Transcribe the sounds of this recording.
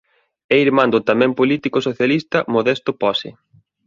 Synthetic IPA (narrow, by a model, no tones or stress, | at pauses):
ɛiɾmãnd̪ʊt̪amɛ̃mpolit̪ikosoθjalist̪ɐmoðɛst̪ʊpɔsɪ